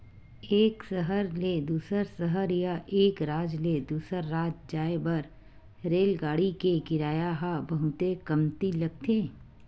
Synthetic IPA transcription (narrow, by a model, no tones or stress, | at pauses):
eːksəɦəɾled̪uːsəɾsəɦəɾjaʔeːkɾaːd͡ʒled̪uːsəɾːaːd͡ʒd͡ʒaːebɐɾ | ɾeːlɡaːɽikeɡɪɾaːjaɦabəɦʊt̪ekɐmt̪ilɐɡ̚t̪ʰeː